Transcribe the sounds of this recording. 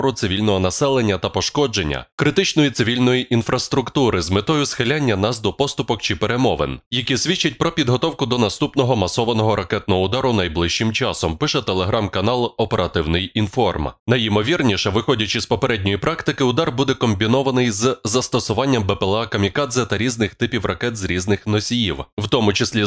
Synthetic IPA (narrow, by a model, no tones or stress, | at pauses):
ɾʊt̪sɪʋʲilʲnɔɦɔnɐsɛlˠe̞nʲːɐt̪ɐpɔʃkɔd͡ʒenʲːɐ̰kɾɪt̪ɪt͡ʃnɔjit̪sɪʋʲilʲnɔjiʔinfɾɐst̪ɾʊkt̪uɾɪzmɪt̪ɔjʊsxɪlʲanʲːɐnɑsd̪ɔpɔst̪ʊpɔkt͡ʃɪpeɾe̞mɔʋḛnjɐkʲisʲʋʲit͡ʃːɐt̚ʲpɾɔpʲid̪ɦɔt̪ɔwkʊd̪ɔnɐst̪upnɔɦɔmɐsɔʋɐnɔɦɔɾʔɐkɛt̪̚nɔɦɔʊd̪ɑɾʊnɐjblˠɪʃt͡ʃːɪmt͡ʃɑsɔmpɪʃɛt̪elˠeɦɾɑmkɐnɑlˠɔpeɾɐt̪ɪwnɪjinfɔrmnɐjɪmɔʋʲirnʲiʃɛʋɪxɔdʲɐt͡ʃɪspɔpeɾɛdʲnʲɔjipɾɑkt̪ɪkɪʊd̪ɑrbud̪ɛkɔmʲbʲinɔʋɐnɪjzzɐst̪ɔsʊʋɑnʲːɐmbɛpɛlˠakɐmʲikad̪zɛt̪ɐɾʲiznɪxt̪ɪpʲiwrɐkɛt̪zɾʲiznɪxnɔsʲijiwwt̪ɔmʊt͡ʃɪsʲlʲi